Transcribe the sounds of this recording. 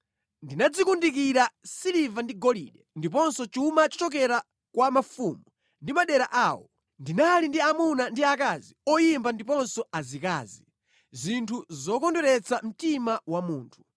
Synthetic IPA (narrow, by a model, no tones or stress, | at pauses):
ndinad͡zikundik̬iɾasiɾivandiɡɔlḭɗɛndip̬ɔnsɔt͡ʃumat͡ʃɔ̥t͡ʃɔk̬ɛɾa | kwamafuːmu | ndimaɗɛɾaʔaːwɔ | ndinalindiamunandiakaziɔjimbandipɔnsɔazika̰ːzi | zintʰuzɔkɔndɔɾɛt͡sam̩timawamuːntʰu̥